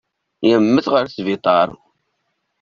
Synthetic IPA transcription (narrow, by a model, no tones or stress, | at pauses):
jəmːəθʁəɾθvit̪ˤɑɾˤ